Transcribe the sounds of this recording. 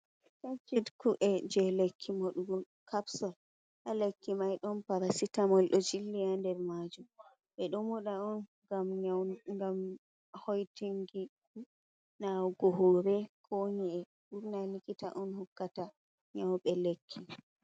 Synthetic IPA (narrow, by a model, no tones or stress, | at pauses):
kant͡ʃidkuʔɛd͡ʒɛlekʰːimoɗuɡɔ | kabsɔl | ʔalekːimajɗɔnpaɾasitamɔlɗɔd͡ʒilːijandɛɾmad͡ʒum | ɓɛɗɔmuɗaɔn | ɡamɡam | hojtiŋɡi | nawɡɔɦoɾɛkʰoɲiɛ | ɓuɾnalikitaʔɔnhukːata | ɲawɓɛlekʰːi